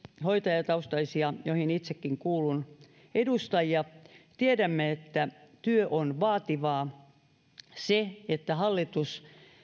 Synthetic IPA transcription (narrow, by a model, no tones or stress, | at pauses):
hoit̪ɑjɑt̪ɑust̪ɑisiɑjohinit̪sekːiŋkuːlun | edust̪ɑjjɑt̪iedæmːeet̪ːæt̪yøʔonʋɑːt̪iʋɑː | seet̪ːæhɑlːit̪us